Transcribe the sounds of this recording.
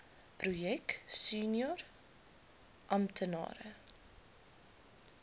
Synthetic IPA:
prujɛksyːnjɔr | ʔɐmtʰənɑ̰ːɾə̰

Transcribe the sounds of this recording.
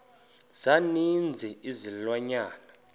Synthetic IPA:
z̥anind͡zʱiizilwaɲaːna

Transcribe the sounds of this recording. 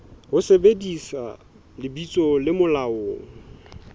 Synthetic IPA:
hʊsebedisa̰ | lɪbit͡sʼɔlɪmʊlaoːŋ̩

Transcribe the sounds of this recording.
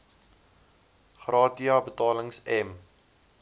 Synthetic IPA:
χrɑːtiɑbətɑːləŋsɛm

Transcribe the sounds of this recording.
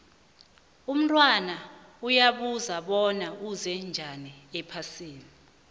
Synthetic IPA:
um̩tʼwanaujaɓuzaɓɔnauzɛnd͡ʒʱaniɛpʰasiːni

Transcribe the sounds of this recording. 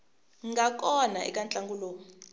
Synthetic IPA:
ŋŋɡak̬ʼɔnaɛ̰kʼant͡ɬʼaŋɡuloː

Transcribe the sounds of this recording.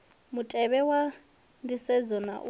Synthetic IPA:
mutʼɛβɛwa | ndisɛd͡zɔna̰ʔu

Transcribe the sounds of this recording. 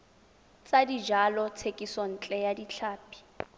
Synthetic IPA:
t͡sʼadid͡ʒalɔt͡sʰekʼisɔn̩t͡ɬʼɛjadit͡ɬʰaːpʰʼi̥

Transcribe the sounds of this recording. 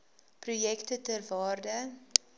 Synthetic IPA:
prujɛktətərvɑːrdə

